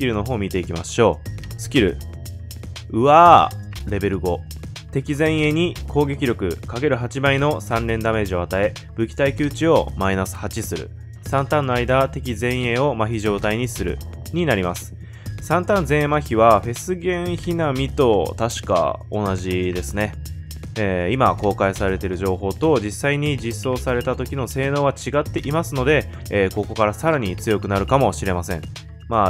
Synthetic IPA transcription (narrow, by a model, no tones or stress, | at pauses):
sɨ̥kʲiɾɯ̟no̞ɦo̞ːmʲit̪e̞ikʲimaɕo̞ːsɨ̥kʲiɾɯ̟̰ | ɯ̟aːɾe̞be̞ɾɯ̟ɡo̞ | t̪e̞kʲizẽ̞ɰ̃e̞ɲ̟ikʰo̞ːɡe̞kʲiɾʲjo̞kɯ̟̰kaɡe̞ɾɯ̟ɦat͡ɕibaino̞sãnɾẽ̞nd̪ame̞ːʑio̞at̪ae̞ | b̥ɯ̟kʲi̥t̪aikʲɨːt͡ɕio̞̰mainasɨ̥hat͡ɕisɨɾɯ̰ | sãnt̪ãnːo̞aid̪at̪e̞kʲizẽ̞ɰ̃e̞o̞maçiʑo̞ːt̪aiɲ̟isɨɾɯ̟̰ | ɲ̟inaɾʲimasɨ̥ | sãnt̪ãnd͡zẽ̞ɰmaçiβaɸe̞sɨɡẽ̞ɰ̃çinamʲit̪o̞t̪aɕi̥ka̰o̞naʑid̪e̞sɨne̞ | eːimako̞ːkaisaɾe̞t̪e̞ɾɯ̟ʑo̞ːɦo̞ːt̪o̞d͡ʑisaiɲ̟id͡ʑisːo̞ːsaɾe̞t̪at̪o̞kʲino̞se̞ːno̞ːβat͡ɕiɡat̪ːe̞ʔimasɨno̞d̪e̞ː | ko̞ko̞kaɾasaɾaɲ̟it͡sɨjo̞kɯ̟naɾɯ̟kamo̞ɕiɾe̞masẽ̞̰ɴ | ma